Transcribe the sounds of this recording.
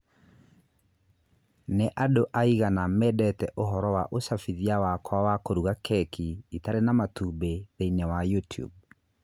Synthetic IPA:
neʔadoʔaiɣanamɛdɛtɛʔoɦɔɾɔwaʔosafiðiawakwawakoɾuɣakʰɛkiitaɾenamatubeðeinewajutiṵb̚

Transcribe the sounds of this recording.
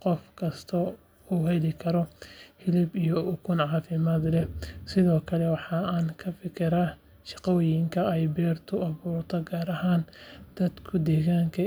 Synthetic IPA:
qɔfkʰɐst̪ʰɐ | uːɦɛlɪkʰɐɾɔhɪlɪbijɔʊkʰʊnʕɑːfɪmaːd̪lɛsɪðɔːkʰɐlɛwɑħɑaːnkʰɐfɪkʰɪɾa | ʃɑqɔjɪŋkʰɐɛjbɛːrt̪ʰʊɐβuːrt̪ʰɔɡaːɾɐɦaːnd̪̥ɐd̪kʰʊd̪ɛːɣaːŋkʰɐ

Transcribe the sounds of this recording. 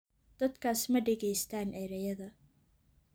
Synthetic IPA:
d̪̥ɐd̪kʰaːsmɐɖɛɣɛjst̪ʰaːnʔɛɾɐjɐðɐ

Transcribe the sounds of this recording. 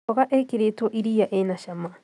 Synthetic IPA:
oɣaʔekiɾetoʔiɾijaʔenaʃama

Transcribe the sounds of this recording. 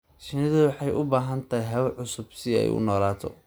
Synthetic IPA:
ʃɪnɪðʊwɑħɑjʔʊbaːɦɐnt̪ʰɐɦjɦɐβʕʊsʊbsɪɛ̰jʊ̰nɔːlaːt̪ʰɔ̰

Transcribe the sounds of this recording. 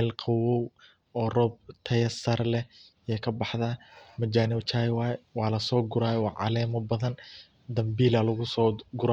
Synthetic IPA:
ɛlqʰɑwɔw | ɔːrɔːb̚t̪ʰɐjɐsɐrlɛ | ɛkʰɐbɑħd̪aːmɐd͡ʒaːnɪwt͡ʃʰajwaːjwɑːlɐsɔːɡʊɾaːjɛwɑʕɑ̰lɛːmɐbɐðɐn | d̪ɐmbiːlalɐɣʊsɔːɡʊɾa

